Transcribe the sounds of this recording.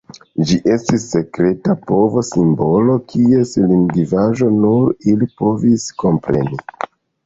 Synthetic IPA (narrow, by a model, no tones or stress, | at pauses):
d͡ʒiʔe̞stisːe̞kɾe̞tapo̞vo̞simbo̞lo̞kʰie̞silinɡivaʒo̞nuɾilipo̞visko̞mpɾe̞̰ni